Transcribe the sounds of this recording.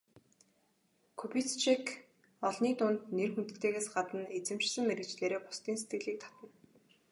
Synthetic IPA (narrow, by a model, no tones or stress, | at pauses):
kʰupit̪t͡ɕʰek | ɔɮniːt̪ʊnt̪nerxunt̪ɘ̥̆t̪ʰeːɣeːsɢat̪ə̆net͡sɘ̆m̥t͡ɕsə̆mmeɾɘ̆t͡ɕɮeːɾeːpʊ̥st̪iːnset̪ɡɘ̆ɮiːk̚t̪ʰḁt̪ə̆n